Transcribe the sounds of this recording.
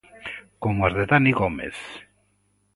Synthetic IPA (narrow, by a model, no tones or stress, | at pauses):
komazðet̪anikomḛs